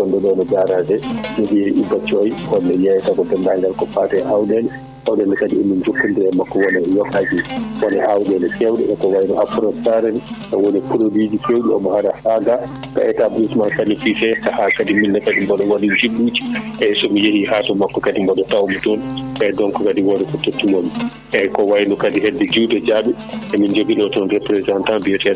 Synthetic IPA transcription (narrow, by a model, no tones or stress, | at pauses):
kɔndɛɗɔnɔd͡ʒaɾadɛnɛɗijɛiʔibat͡ʃːɔjkɔnːɛjɛjtakɔtɛndaŋɡalkɔfatɛʔawdɛl | ʔawɗɛldɛkadiinːind͡ʒokːuntɛɛmakːɔwɔnɛjɔkad͡ʒikɔnɛʔawɗɛlkʰɛwɗɛ̰ɛkɔwajnɔʔapɾɔtaɾɛnʔɔwonipuɾodid͡ʒikewɗiɔ̰mɔhaɾahaɡa | ka̰ɛtabɾismankanififɛkahakadiminːɛkadimbɔɗɔwadid͡ʒibud͡ʒi̥ʔɛsɔmijehihaːtɔmakːɔkadimbɔɗɔtawmitɔnʔɛdɔnkɔkadiwɔdɛfɔtːotːimomi | ʔɛkɔwajnɔkadiɦɛdːɛd͡ʒiwdɛd͡ʒaɓɛ | ʔɛmind͡ʒoɡilɔtɔnɾɛpɾɛzantãnbiɛtɔɛ